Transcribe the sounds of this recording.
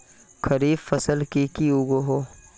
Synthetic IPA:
kʰɐɾiːbfɐsəlkikiuɡoɦoː

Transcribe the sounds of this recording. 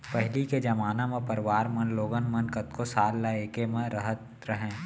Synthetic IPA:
pəɦɪliked͡ʒɐmaːnamẽpɐɾɪʋaːɾmɐnloːɡənmɐnkət̪kosaːlːaeːkemẽɾəɦət̪̚ | ɾəɦẽː

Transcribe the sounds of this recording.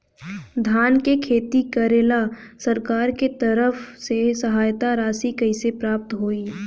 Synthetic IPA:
d̪ʱaːnkekʰeːt̪ikəɾeːlasɐɾkaːɾket̪əɾəfsesɐɦaːjt̪aɾaːsikɐɪsepɾaːp̚t̪ɦoːiː

